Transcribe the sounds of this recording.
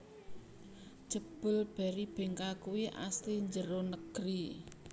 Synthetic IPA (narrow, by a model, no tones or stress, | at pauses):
ʒ̥ə̤b̥ʊ̤lb̥ɛ̤ɾib̥e̤ŋkakuwiʔa̰st̪iɲd͡ʒəɾonəɡ̥ɾi